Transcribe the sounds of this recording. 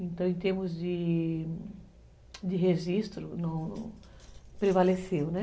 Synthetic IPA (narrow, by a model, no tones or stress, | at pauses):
ẽnt̪ɐ̃w̃ẽt̪eɾmʊzd̪ɪ | d̪ɪɦeʒist̪ɾʊnɐ̃w̃ | pɾevalesewnɛ